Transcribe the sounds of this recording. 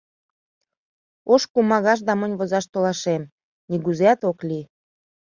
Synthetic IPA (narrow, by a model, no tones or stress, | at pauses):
oʃkumɑɣɑʃ̬d̪ɑmənʲβozɑʃt̪olɑʃem | niɣuzeɑt̪okli